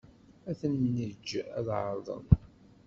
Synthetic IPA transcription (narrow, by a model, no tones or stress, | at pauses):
æθənːəd͡ʒːæðʕə̰ɾˤðˤə̰n